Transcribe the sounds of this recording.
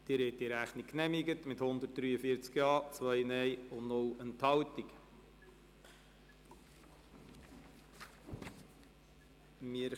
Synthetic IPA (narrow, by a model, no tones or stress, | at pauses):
d̪̥iɾɛt̪ːɪɾæχnikːnɛmiɡətmɪt̪hʊnd̪ət̚d̥̪ɾyːəfiət͡skjɑːt͡sʋœjnɛjʊnnʊlənt̪hɑwtik | mɪə